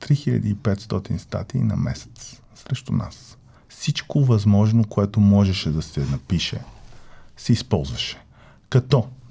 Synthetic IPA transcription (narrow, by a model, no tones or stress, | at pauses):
t̪ɾixilʎʲɐ̰d̪iːpɛt̪st̪ɔt̪inst̪a̰t̪iːnɐ̰mɛ̰sɛ̥t̪s | sɾɛʃt̪ʊna̰s | fsit͡ʃkovɐzmɔʒnokoɛt̪omɔʒɛʃɛd̪ɐsɛnɐpiʃɛ̰ | sɛispɔlˠzvɐʃɛ̥ | kɐt̪ɔ